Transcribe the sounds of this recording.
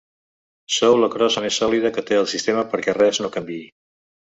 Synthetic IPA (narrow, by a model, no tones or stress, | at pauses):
sowləkɾɔzəmesɔlið̞əkət̪eəlˠsist̪eməpəɾkɛrɛznokəmbii